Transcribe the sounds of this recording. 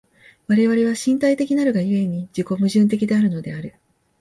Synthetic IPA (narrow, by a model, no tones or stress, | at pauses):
βaɾe̞βaɾe̞βaɕĩnt̪ait̪e̞kʲinaɾɯ̟ɡajɯ̟e̞ɲ̟id͡ʑiko̞mɯ̟ʑɨ̃nt̪̬e̞kʲid̪e̞aɾɯ̟no̞d̪e̞aɾɯ̟